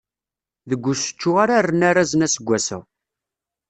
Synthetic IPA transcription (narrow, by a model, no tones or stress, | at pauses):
ðəɡʷːʊsə̥t͡ʃːʊʁaɾarːənaɾazənæsəɡʷːæsə̰ʁ